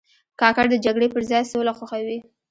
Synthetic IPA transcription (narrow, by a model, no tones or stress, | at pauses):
kɑkaɽd̪əd͡ʒaɡɽepəɾzɑjsolaxaxawi